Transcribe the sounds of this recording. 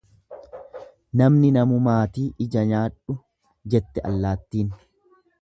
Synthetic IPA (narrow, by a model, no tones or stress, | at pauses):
nɐmnɪnɐmʊmaːt̪iːʔɪd͡ʒɐɲaːᶑʊ | d͡ʒɛt̪ːɛʔɐ̰lːaːt̪ːiːn